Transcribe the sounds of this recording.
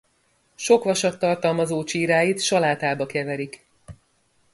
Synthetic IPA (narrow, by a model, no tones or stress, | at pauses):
ʃo̞kʋɒʃɒt̪ːɒrt̪ɒlmɒzoːt͡ʃiːɾaːjit̪ʃɒlaːt̪aːbɒkɛvɛɾik